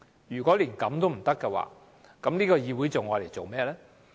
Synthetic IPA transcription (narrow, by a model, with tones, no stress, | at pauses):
jyː˨˩kʷɔː˨˥liː˨˩nkɐ˨˥mt̪o˥wm̩˨˩t̪ɐ˥kːɛ˧wa̰ː˨˧ | kɐ˨˥mliː˥kɔː˧jiː˨˧wu˨˥jt͡so˨wŋɔː˨˧le˨˩jt͡so˨wmɛː˥lɛː˥